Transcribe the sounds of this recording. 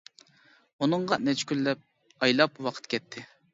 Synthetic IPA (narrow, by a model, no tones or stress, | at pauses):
unɨɴʁɑnɛt͡ʃʰɪ̥kʲylːɛp̚ | ɑjlˠɑpwɑqʰə̥t̪kʲʰɛt̪ʰːɪ